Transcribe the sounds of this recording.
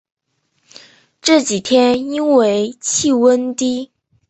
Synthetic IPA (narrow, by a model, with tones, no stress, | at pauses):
ʈ͡ʂɤ˥˩t͡ɕi˨˩t̪ʰjɛ˥ni˥nwe˧˥ɪt͡ɕʰi˥˩wə˥nt̪i˥